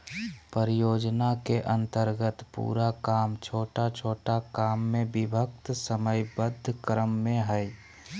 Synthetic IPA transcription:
pəɾɪjoːd͡ʒnakeʔə̃nt̪əɾɡət̪pṵːɾakaːmt͡ʃʰoːʈat͡ʃʰoːʈakaːmːẽbɪbʱəkt̪səməjbəd̪ʱːkɾəmːẽɦəj

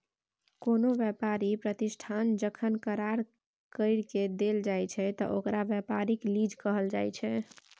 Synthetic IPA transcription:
konoʋjəpaɾipɾət̪isʈʰand͡ʒəkʰənkəɾaɾ | kəɪɽked̪eld͡ʒajt͡ʃʰɛt̪ɔ̰ʔokɾabjəpaɾiklid͡ʒʱkəɦəld͡ʒajt͡ʃʰɛ

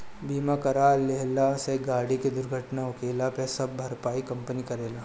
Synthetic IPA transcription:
biːmakɐɾaːlːeɦlaseɡaːɽiked̪ʊɾɡʱəʈnaʊkeːlapesɐb̚bʱɐɾpaːikɐ̃mpənikɐɾeːlaː

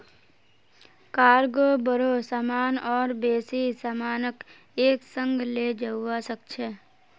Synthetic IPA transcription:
kaːɾɡobəɾosaːmaːnɔːɾbeːsisamaːnək | eːksə̃ŋɡleːd͡ʒəasək̚t͡ʃʰeː

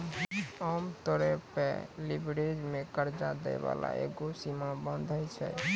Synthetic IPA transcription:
əmt̪ɔɾɛpḛlibɾed͡ʒmekəɾd͡ʒad̪ɛ̰ba̰la̰ḛɡosimabənd̪ʱəjt͡ʃʰɛ̰

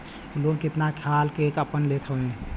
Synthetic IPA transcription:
lokɪt̪nakʰjaːlkeːkəpənlet̪ʰəẽ

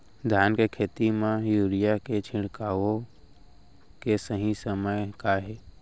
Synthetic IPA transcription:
d̪ʱjaːnkekʰeːt̪imẽjuːɾijaket͡ʃʰɪ̃ɽkaːʋo | kesəɦĩsəməjkaɦɛː

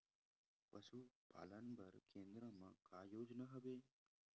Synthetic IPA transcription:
pəsupa̰ːlənbʱəɾkẽːnd̪ɾəmã̰kaːjoːd͡ʒnaɦɐʋeː

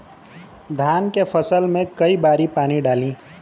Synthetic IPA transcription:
d̪ʱaːnkepʰəsəlmẽkəibaːɾipaːniɖaːlĩː

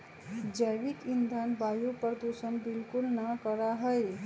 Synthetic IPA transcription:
d͡ʒəjʋikind̪ʱanbajupəɾd̪usənbilkulnəkəɾaɦəj

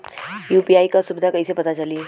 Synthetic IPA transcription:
juːpiːaːikasʊbɪd̪ʱakɐɦisepɐt̪at͡ʃɐlie

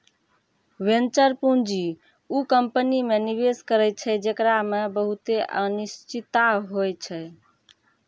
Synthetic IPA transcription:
ʋent͡ʃəɾpũnd͡ʒi | ukəmpənimeniβeskəɾɛt͡ʃʰɛd͡ʒekɾamebəɦut̪eʔə̰nist͡ʃit̪aɦojt͡ʃʰɛ

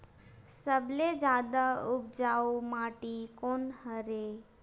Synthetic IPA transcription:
səbled͡ʒaːd̪aʊb̚d͡ʒaːumaːʈikoːnhəɾe

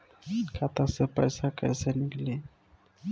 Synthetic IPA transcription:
kʰat̪asəpa̰jsaka̰jsanikli

